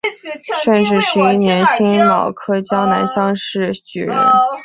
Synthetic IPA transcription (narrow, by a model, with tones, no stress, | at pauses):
ʂə˥˧nʈ͡ʂɻ̩˥˩ʂɻ̩˧˥i˥˩njɛ˧˥nɕi˥nlɑ˨˩ʊkʰɤ˥t͡ɕjɑ˥ŋna˧˥nɕjɑ˥˧ŋʂɻ̩˥˩t͡ɕy̰˨˩ɻə̰˧˥n